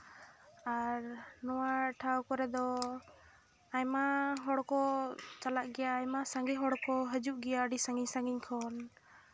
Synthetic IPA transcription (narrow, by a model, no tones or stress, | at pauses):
aɾnɔwaʈʰawkɔɾɛd̪ɔ | ajmaɦɔɽkɔt͡ʃalaʔɡɛjaːjmasaŋɡiɦɔɽkɔɦəd͡ʒuʔɡɛjaɖisaŋɡiɲsaŋɡiɲkʰɔn